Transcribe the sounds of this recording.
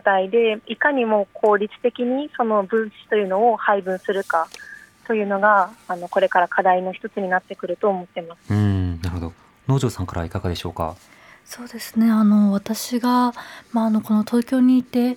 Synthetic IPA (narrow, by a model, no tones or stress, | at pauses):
t̪aid̪e̞ikaɲ̟imo̞ːkʰo̞ːɾʲit͡sɨ̥t̪e̞kʲiɲ̟iso̞no̞bɯ̟̃ɰ̃ɕi̥t̪o̞jɯ̟ːno̞ohaibɯ̟̃ɰ̃sɨɾɯ̟kat̪o̞jɯ̟ːno̞ɡaːno̞ko̞ɾe̞kaɾakʰad̪aino̞çi̥t̪o̞t͡sɨɲ̟inat̪ːe̞kɯ̟ɾɯ̟t̪o̞ːmo̞t̪ːe̞masɨ̥ɯ̟̃ɴnaɾɯhod̪o̞ | no̞ːʑo̞ːsãŋkaɾa̰ikaɡad̪e̞ɕo̞̰ːka̰ | so̞ːd̪e̞sɨne̞ano̞βat̪aɕiɡamaːno̞ko̞no̞t̪o̞ːkʲo̞ːɲ̟iːt̪e̞